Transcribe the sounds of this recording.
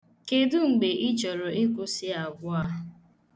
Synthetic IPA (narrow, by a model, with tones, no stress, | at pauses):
ke˨dʊ˦ŋ͡m̩˨ɡ͡be˨ʔɪ˦t͡ʃɔ˨ɾʊ˨e˦kʊ˦sɪ˦a˨ɡʷʊ˦a˦˨˦